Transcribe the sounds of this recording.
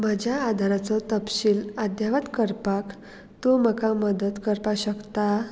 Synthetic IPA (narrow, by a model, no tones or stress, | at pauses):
məd͡ʑjaːd̪ʱaɾat͡sɔt̪əpɕiːlad̪jaʋat̪kəɾpak | t̪oməkaməd̪ət̪kəɾpaɕəkt̪a